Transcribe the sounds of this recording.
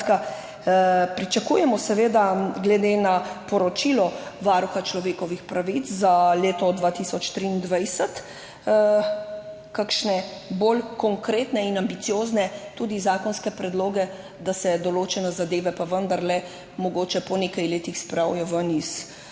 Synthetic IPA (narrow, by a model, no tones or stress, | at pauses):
ka | pɾit͡ʃakṵjɛmɔsɛʋeːd̪aɡlɛd̪enapɔɾɔt͡ʃilɔʋaɾuxat͡ʃlɔʋeːkɔʋixpɾaʋit̪szaleːt̪ɔd̪ʋaːt̪isɔt͡ʃt̪ɾiːnd̪ʋajsət̪ | kakʃnɛbolkɔŋkɾeːt̪nɛinambit̪sijoːznɛt̪uːd̪izaːkɔnskɛpɾɛd̪loːɡɛ | d̪asɛd̪ɔloːt͡ʃɛnɛzad̪eːʋɛpaʋənd̪aɾlɛ | mɔɡoːt͡ʃɛpɔneːkajleːt̪ixspɾawjɛʋənis